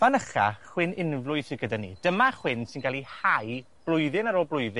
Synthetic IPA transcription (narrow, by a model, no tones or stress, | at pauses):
vanəχa̰χwɪnɪnvlˠʊɨθɪɡədanḭːd̥əmaχwɪnsɪnɡalˠihaj | b̥lˠʊjðɪnaɾoːlˠblʊɨðɪ